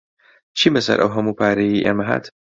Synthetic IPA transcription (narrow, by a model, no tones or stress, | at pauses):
t͡ʃʰiːmɐsɐ̰ɾʔɐ̰wɦɐmuːpʰaːɾɐjiːʔeːmɐɦa̰ːt̪